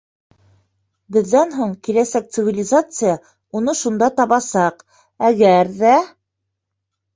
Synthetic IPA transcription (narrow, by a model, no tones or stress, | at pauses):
bɘ̆ðːænɦuɴkilæsæk̚t̪sɨvʲɪlʲɪzat̪sɨja | unɤʃund̪ɑt̪ɑβɑsɑq | æɡæɾðæ